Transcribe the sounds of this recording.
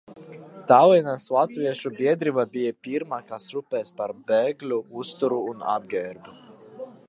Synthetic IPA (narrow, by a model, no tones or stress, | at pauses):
t̪awɛnaslˠat̪viɛʃubʲiɛd̪ɾivabijapiɾmaːkasɾupɛːspaɾbɛːɡlʲuust̪uɾuːna̰b̚ɡʲɛɾbu